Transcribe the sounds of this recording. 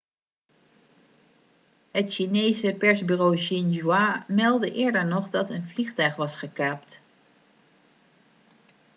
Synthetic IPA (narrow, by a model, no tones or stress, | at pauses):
hətʃinejsəpɛɹzbyːrowʃinʒwamɛlˠdəʔɪːɹdəɹnɔχdɑtənvliχtœɥχʋɑsχəkaːpt